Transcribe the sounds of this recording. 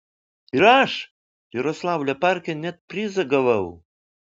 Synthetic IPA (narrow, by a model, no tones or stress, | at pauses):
ɪɾaʃ | jʊɾɔslˠɑwlʲɛpaɾkʲɛnʲɛt̪̚pʲɾʲɪzɐɡɐʋɐw